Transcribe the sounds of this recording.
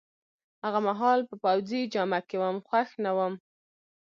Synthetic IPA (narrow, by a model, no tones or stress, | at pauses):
haɣamaɦɑlpəpawd͡zid͡ʒamakewəmxwaxnawəm